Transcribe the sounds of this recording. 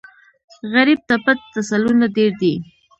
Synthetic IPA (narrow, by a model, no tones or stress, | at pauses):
ɣaɾib̚t̪apat̪ːasalunad̪eɾd̪i